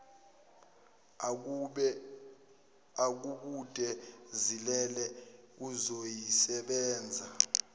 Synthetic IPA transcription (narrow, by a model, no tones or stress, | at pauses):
ak̬uɓutʼɛzilɛlɛuzojisɛɓɛːnd͡zʱa